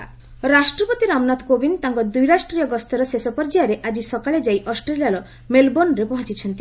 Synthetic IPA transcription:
ɾasʈɾɔpɔt̪iɾamnat̪kobint̪aŋkɔd̪ujɾasʈɾijɔɡɔst̪ɔɾɔsesɔpɔɾd͡ʒiaɾeʔad͡ʒisɔkaɭed͡ʒajʔɔsʈɾelijaɾɔ | melbonɾepɔɦɔ̃t͡ʃit͡ʃʰɔnt̪i

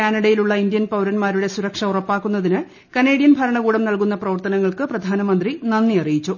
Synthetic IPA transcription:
kaːnɐɽɐjiluɭːɐind̪jɐnpɐwɾɐnmaːɾuɽe̞suɾɐkʂɐurɐpːaːkːunːɐðinɨ | kɐne̞ːɽijɐnbʱɐɾɐɳɐɣuːɽɐmnɐɭk̬un̪ːɐprɐʋɐrt̪ɐnɐŋːɐɭkɨprɐd̪ʱaːnɐmɐnd̪rinɐnːiɐrijit͡ɕːu

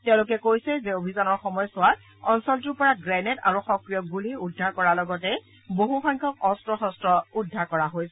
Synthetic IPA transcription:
tɛ̃ʊ̃lʊk̬ɛkojsɛzɛobʱizanɔɹxɔmɔjɔsʊat | ɔnsɔltuɹpɔɹaɡɹɛneta̰ɹuxɔkɹijɔɡuliudʱːaɹkɔɹalɔɡɔtɛ | boɦuxɔjŋkʰɔk̚ɔstɹɔxɔstɹɔudʱːaɹkɔɹaɦojsɛ

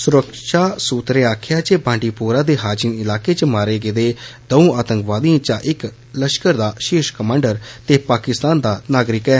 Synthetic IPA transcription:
sʊɾəkʃaːsuːt̪ɾeːaːkʰjaːt͡ʃeːbãːɳɖiːpoːɾaːd̪eːɦaːd͡ʒɪnɪlaːkeːt͡ʃəmaːɾeːɡeːd̪eːd̪̥əũːaːt̪ə̃ŋkʋaːd̪iãːt͡ʃãːʔɪk | ləʃkəɾd̪aːʃɪʃkəmãːɳɖəɾt̪eːpaːkɪst̪aːnd̪aːnaːɡɾɪkɛː

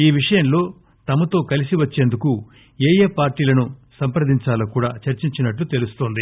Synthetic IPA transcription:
iːʋiʂɐjɐmlo̞ː | t̪ɐmɐt̪o̞ːkɐlisiʋɐt͡ʃːe̞ːnd̪uku | eːjeːpaːɾʈiːlɐnusɐmpɾɐd̪iɲt͡ʃaːlɐkuːɽaːt͡ʃɐɾt͡ʃiɲt͡ʃinɐʈlut̪e̞lust̪oːnd̪i

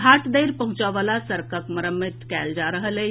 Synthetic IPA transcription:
ɡʱaʈd̪ejɾpəɦũt͡ʃaʋalasəɾkəkməɾəmit̪kɛld͡ʒaɾəɦəle

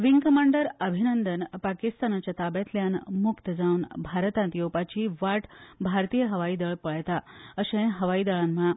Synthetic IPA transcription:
ʋiŋkəmaɳɖəɾəbʱinənd̪ənpakist̪anat͡ɕjat̪abɛt̪ljanmukt̪əd͡zaunbʱaɾt̪ãnt̪jowpat͡ɕiːʋaʈbʱaɾt̪ijəɦəʋaid̪əɭpəɭjt̪aəɕẽɦəʋaiːd̪əɭãnməɭa

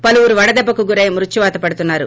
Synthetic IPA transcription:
pɐluʋuɾuʋɐɽɐd̪ɛbːɐkuɡuɾejmɾut͡ʃːiʋaːt̪ɐpɐɽut̪unːaːɾṵ

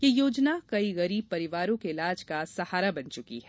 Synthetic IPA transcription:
jejoːd͡ʒnakɐiɣɐɾiːb̚pɐɾɪʋaːɾõkeɪlaːd͡ʒkasɐhaːɾabɐnt͡ʃʊkḭɦɛ

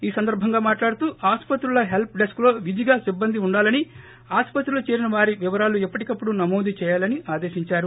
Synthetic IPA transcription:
iːsɐnd̪ɐɾbʱɐŋɡaːmaːʈlaːɽut̪uːaːspɐt̪ɾulɐɦe̞lp̚ɖesklo̞ːʋid̪ʱiɡaːsibːɐnd̪iuɳɖaːlɐni | aːspɐt̪ɾulut͡ʃeːɾinɐʋaːɾiʋiʋɐɾaːluɛpːɐʈikɐpːuɽunɐmoːd̪ʱit͡ʃɛːjaːlɐniʔaːd̪e̞ːʃiɲt͡ʃaːɾu

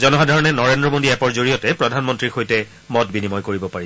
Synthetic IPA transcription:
zɔnɔɦadʱaɹɔnɛnɔɹendɹɔmodiɛpɔɹzoɹijɔtɛpɹɔdʱanmɔntɹixojtɛ | mɔtbinimɔjkoɹibɔpaɹi

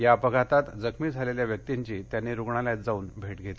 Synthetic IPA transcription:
japəɡʱat̪at̪d͡zəkʰmiːd͡zʱaleljaʋjək̚t̪iɲt͡ɕiːt̪janːiɾuɡɳaljat̪̚d͡zauːnbʱeʈɡʱet̪le

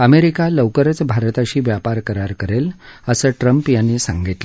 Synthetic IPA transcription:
əmeɾikaləwkəɾət͡sbʱaɾt̪aɕiːʋjapaɾkəɾaɾkəɾeləsəːʈɾəmpjanːesã̰ŋɡit̪lə

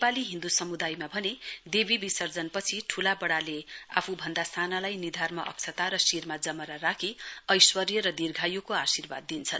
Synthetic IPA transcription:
nepaliɦĩnd̪usʌmud̪ajmabʱʌned̪ebibisʌrd͡zʌnpʌt͡sʰiʈʰulabʌɽalea̰pʰubʱʌnd̪ast̪ʰanalajnid̪ʱarmʌʔʌ̰k̚t͡sʰʌt̪aɾʌsirmad͡zʌmʌɾarakʰiʌjswʌrjʌɾʌd̪irɡʱajukoasirba̰d̪̚ːint͡sʰʌn

